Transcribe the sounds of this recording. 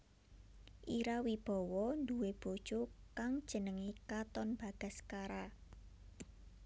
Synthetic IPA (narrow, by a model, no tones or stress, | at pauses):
ʔiɾawib̥ɔ̤wɔnd̪uweb̥o̤d̥ʒ̥okaŋd̥ʒ̥ə̤nəŋikat̪ɔnb̥a̤ɡ̥a̤skaɾa